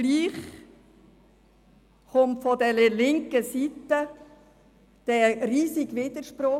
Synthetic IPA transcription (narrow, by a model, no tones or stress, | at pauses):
liːχ | χʊmtfɔd̪ɛləlɪŋkəsit̪ə | d̪̥ɛɾiːsiɡʋɪd̪̥əɾʃpɾʊ